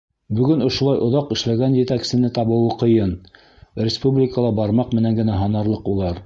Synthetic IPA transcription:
bɵ̆ɡɘnŏʃulˠɑjʔŏðɑqɘ̆ʃlæɡænjɘ̆t̪æksɘ̆nɘt̪ɑβɤ̆wɤqɤ̆jɤn | rʲɪspublʲɪkəlˠɑbɑɾmɑqmɘ̆næŋɡɘ̆næɦɑnɑɾlˠɤqulˠɑɾ

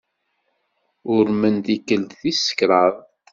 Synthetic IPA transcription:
ʊɾmənt̪ikəld̪θisə̥kɾˤəðˤ

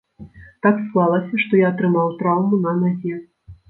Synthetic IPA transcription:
t̪aksklˠalˠɐsʲɐʂt̪ɔjaːt̪ɾɨmawt̪ɾawmunɐnazʲɛ

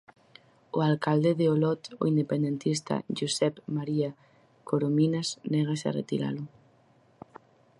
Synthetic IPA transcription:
oalkald̪eðeolɔt̪o̰ind̪epend̪ent̪ist̪a̰ʒusɛpmaɾia | koɾominasnɛɣ̞asa̰rḛt̪iɾa̰lʊ

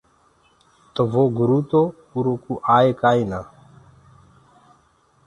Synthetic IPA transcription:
t̪ɔvoɡɾut̪opuɾokuʔajekajna

